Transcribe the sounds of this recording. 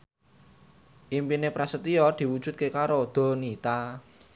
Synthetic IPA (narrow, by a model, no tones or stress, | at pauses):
ʔimpinepɾasət̪iɔd̪̥i̤wud̥ʒ̥ṳt̪̚kekaɾod̪̥o̤nit̪a